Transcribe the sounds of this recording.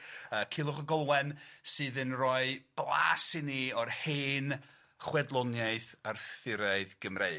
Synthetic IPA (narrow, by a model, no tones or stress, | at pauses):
əːkʰɪlˠʊχəɡɔlˠwɛnsɨːðɨnrɔɨb̥lˠa̰ːsɪniɔrheːn | χwɛdlˠɔnjajθarθɪɾaɨðɡəmre